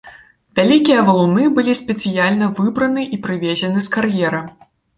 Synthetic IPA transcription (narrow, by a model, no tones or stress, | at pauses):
vʲalʲikʲijɐvɐlˠunɨbɨlʲisʲpʲɛt̪sɨjalʲnɐvɨbɾɐnɨʔipɾɨvʲezʲɛnɨskarjɛɾɐ